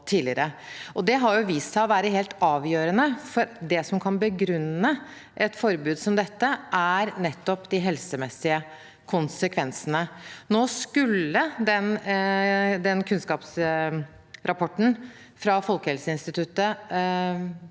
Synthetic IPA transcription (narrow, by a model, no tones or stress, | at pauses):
t̪ʰiːlɪɾəʔɔd̪ɛɦɑɾjʊʋisæɪɔʋæːɾəɦeːlt̪ɑːʋjøːɾənəfɔɾd̪ɛsɔmkʰɑnbəɡɾʉnːə | ʔɛt̪fɔɾbʉːd̪sɔmd̪ɛt̪ːəʔæɾnɛt̪ːɔpd̪ɪɦɛlsəmɛsːɪə | kʰʊnsəkʰʋɛnsənənoːskʉlːəd̪ɛn | d̪ɛnkʰʉnskɑːps | ɾɑpʰɔʈːn̩ | fɾɑfɔlkəhɛlsəɪnst̪ɪt̪ʰʉt̪ːə